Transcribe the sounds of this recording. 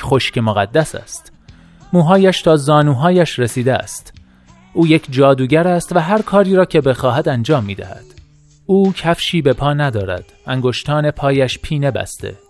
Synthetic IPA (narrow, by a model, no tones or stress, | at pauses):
χo̞ʃce̞moɣæd̪ːæsæ̰st̪ | muːɦɒːjæʃt̪ʰɒːzɒːnuːɦɒːjæʃɾesiːd̪eæ̰st̪ | ʔuːje̞cʰd͡ʒɒːd̪uːɟæɾæst̪væɦæɾkʰɒːɾiːɾɒːcʰe̞be̞xɒːɦæd̪ænd͡ʒɒːmːiːd̪æ̰hæ̰d̪̥ | uːcʰæfʃiːbe̞pʰɒːnæd̪ɒːɾæ̰d̪̥æŋɡoʃt̪ʰɒːne̞pʰɒːjæʃpʰiːne̞bæ̰st̪ḛ